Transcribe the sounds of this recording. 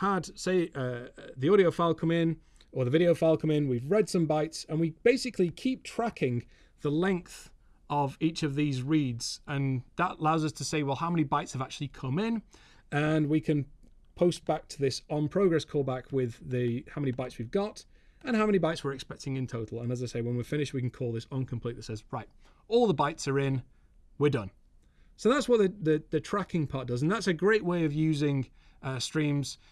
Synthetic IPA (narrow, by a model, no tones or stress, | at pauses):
həd̥seɪʔʌðiɔɾioʊfaɪlˠkʰʌ̃mɪ̃n | ə˞ðəvɪɾioʊfaɪlˠkʰʌ̃mɪ̃nwivɹɛd̥sʌ̃mbaɪtsə̃nwib̥eɪsɨkʰlikʰip̚tʰɹ̥akʰɪ̃ŋ | ðəlɛ̃ŋk̚θ | ʔəvit͡ʃʌvðizɹidz̥ə̃nðətəlaʊzʌstʰəseɪwɛlˠɦaʊmɛnibaɪtshəvak̚t͡ʃʉl̩ˠikʰʌ̃mɪ̃n | ə̃nwikʰɨ̃n | pʰoʊst̚b̥ak̚tʰəðɪsə̃npʰɹ̥oʊɡɹɛskʰɔlˠbakwɪðɨhaʊmɛ̃nibaɪtswivɡɑt | ə̃nhaʊmɛ̃nibaɪtswəɹɨkspɛk̚tʰɪ̃ŋɨ̃ntʰoʊɾˡl̩ˠə̃nəzaɪseɪwə̃nwifɪ̃ñɪʃwikɨ̃n̩kʰɔlˠðɪsʌ̃nkʰə̃mpʰl̥it̪̚ðətsɛzɹaɪt̚ | ɔlˠðəbaɪtsə˞ɪ̃n | wədʌ̃n | soʊðatswʌt̚ðɨðɨðɨtʰɹ̥akɪ̃ŋpʰɑˑɹt̚d̥ʌzə̃n̩ðatsɨɡɹeɪʔweɪʌvjʉːzɪ̃ŋ | ʌstɹ̥ĩmz̥